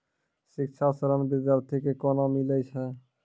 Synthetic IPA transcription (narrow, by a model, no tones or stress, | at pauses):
ʃikt͡ʃʰasɔɾɔnbid̪aɾt̪ʰekekɔnomilejt͡ɕʰe